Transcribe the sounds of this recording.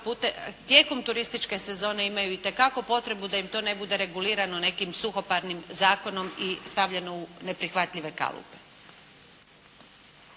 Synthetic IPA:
put̪et̪je̞ːko̞mt̪uɾist̪it͡ʃke̞se̞zo̞ːne̞imajuit̪e̞kako̞po̞t̪ɾe̞bud̪ajimt̪o̞ːne̞bud̪e̞ɾe̞ɡuliːɾano̞ne̞kimsuxo̞paɾnimzaːko̞no̞mist̪aʋʎeno̞une̞pɾixʋat̪ʎʲiʋe̞ka̰lṵpe̞̥

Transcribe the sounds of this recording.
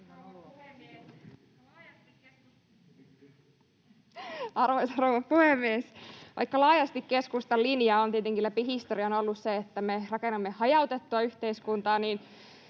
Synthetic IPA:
ɑrʋoisɑrowʋɑpuhemːiesʋʔɑ̰ikːɑlɑːjɑst̪ikkeskust̪ɑlinjɑont̪iet̪eŋkilæpihist̪oɾiɑnolːusseet̪ːæmerɑkenːɑmːehɑjɑut̪et̪ːuɑyçt̪eiskunt̪ɑːniːn

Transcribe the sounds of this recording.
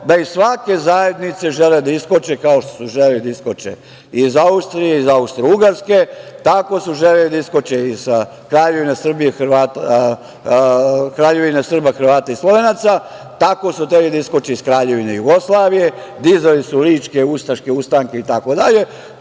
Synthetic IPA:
d̪aisʋake̞zaje̞d̪nit̪se̞ʒeled̪aiskot͡ʃekaoʃt̪o̥suʒelelid̪aiskot͡ʃḛ | izaust̪ɾijeizaust̪ɾeuɡaɾske̞t̪ako̞suʒelelid̪aiskot͡ʃeiz̥ | kɾaːʎe̞ʋinesr̩bijexrʋaːt̪a | kɾaːʎe̞ʋinesr̩baxrʋaːt̪aislˠo̞ʋe̞nat̪sa | t̪ako̞sut̪ɾelid̪aiskot͡ʃeiskɾaːʎe̞ʋineijuɡo̞slaːʋije̞d̪izalisuliːt͡ʃke̞ust̪aʃke̞ust̪aŋke̞it̪ako̞d̪aʎe̞

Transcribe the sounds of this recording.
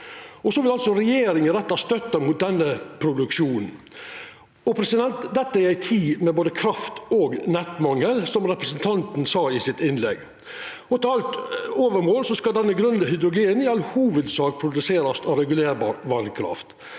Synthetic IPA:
ɔsɔʋɪlɑlsɔɾɛjeːɾɪŋənɾɛt̪ːɑst̪œt̪ːɑmuːt̪̚d̪ɛnːəpʰɾʊd̪ʉkʃuːnn̩ | ɔpɾɛsɪd̪ɛnt̪d̪ɛt̪ːəæɾæɪt̪ʰiːmɛboːd̪əkʰɾɑft̪oːɡnɛt̪mɑŋːəlsɔmɾɛpɾəsən̩t̪ʰɑnt̪n̩sɑːɪsɪt̪ɪnlɛ̰ɡ | ɔt̪ɛɑlt̪oːʋəɾmoːlsɔskɑd̪ɛnːəɡɾʉnd̪əhʏd̪ɾʊɡeːnɪɑlhuːʋəd̪sɑːk̚pʰɾʊd̪ʉseːɾɑst̪ɔɾɛɡʉleːɾbɑːɾʋɑnkʰɾɑ̰ft̪

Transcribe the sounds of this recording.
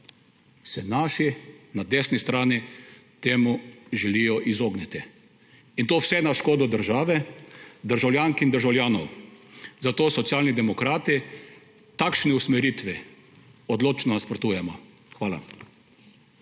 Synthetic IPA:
sɛnaːʃinad̪eːsnist̪ɾaːnit̪eːmuʒɛlijɔʔizoːɡnɛt̪i | int̪oːwsɛnaʃkoːd̪ɔd̪əɾʒaːʋɛd̪əɾʒawljaːŋkind̪əɾʒawljaːnɔ̰w | zat̪oːsɔt̪sjaːlnid̪ɛmɔkɾaːt̪i | t̪akʃnɛusmɛɾiːt̪ʋɛ | ɔd̪loːt͡ʃnɔnaspɾɔt̪uːjɛmɔ | xʋaːla̰

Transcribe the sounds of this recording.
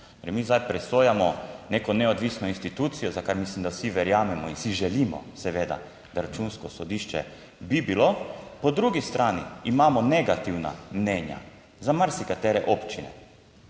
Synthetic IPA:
t̪oɾimizd̪ajpɾɛsoːjamɔneːkɔnɛod̪ʋisnɔinst̪it̪uːt̪sijɔzakaɾmislimd̪awsiʋɛɾjaːmɛmɔinsiʒɛliːmɔ̰sɛʋeːd̪a̰ | d̪aɾat͡ʃunskɔsɔd̪iʃt͡ʃɛ̰ | bibilopɔd̪ɾuːɡist̪ɾʔaːnḭimaːmɔnɛɡat̪iwna̰mneːnja̰ | zamaɾsikat̪ɛːɾɛʔopt͡ʃinɛ̰

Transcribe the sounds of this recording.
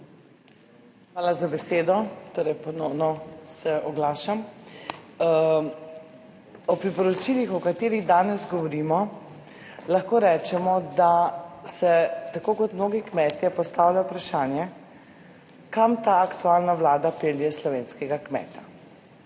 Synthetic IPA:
xʋaːlazabɛseːd̪ɔt̪oːɾɛjpɔnɔwnɔsɛɔɡlaːʃam | ɔpɾipɔɾɔt͡ʃilixɔkat̪eːɾiɣd̪aːnɛzɡɔʋɔɾimɔ | lɐxkoːɾɛt͡ʃɛmɔd̪asɛt̪akoːkɔt̪mnoːɡikmɛːt̪jɛpɔst̪aːwlajpɾaʃaːnjɛ | kamt̪aːkt̪ualnaʋlaːd̪apeːlijɛslɔʋeːnskɛɡakmɛ̰ːt̪a

